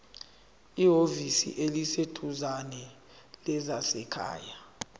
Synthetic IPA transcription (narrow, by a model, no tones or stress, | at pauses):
iɦovisḭʔelisetʰuzanɛ | lɛzasɛkʰa̰ːja